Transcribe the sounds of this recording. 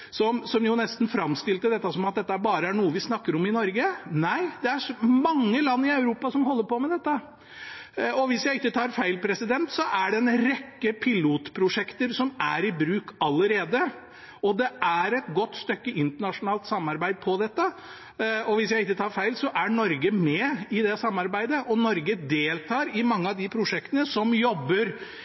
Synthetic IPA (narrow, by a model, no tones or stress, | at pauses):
sɔmsɔmjʊnɛst̪n̩fɾɑmst̪ɪlt̪əd̪ɛt̪ːəsɔmɑt̪̚d̪ɛt̪ːəæɾbɑːɾəæɳuːəʋɪsnɑkːəɾɔmɪnɔɾɡənæɪd̪ɛæʂɔmɑŋːəlɑnːɪɑʉɾuːpɑsɔmɦɔlːəɾpɔmɛd̪ɛt̪ːə | ɔʋɪsjæɪɪkːət̪ʰɑːɾfæɪlpʰɾɛsɪd̪ɛnt̪sɔʔæɖɛnɾɛkːəpʰɪluːt̪pʰɾʊʂɛkt̪əɾsɔmæɾɪbɾʉːkɑlːəɾeːd̪ə | ɔd̪ɛʔæɾɛt̪ɡɔt̪ːst̪œkːəɪnt̪əɳɑʂʊnɑːlt̪sɑmːɑɾbæɪd̪̚pʰɔd̪ɛt̪ːə | ɔʋɪsjæɪɪkːət̪ʰɑːɾfæɪlsɔʔæɳɔɾɡəmɛɪd̪ɛsɑmːɑɾbæɪd̪əʔɔnɔɾɡəd̪eːlt̪ʰɑːɾɪmɑŋːəɑʋd̪ɪpʰɾʊʂɛkt̪ənəsɔmjɔbːəɾ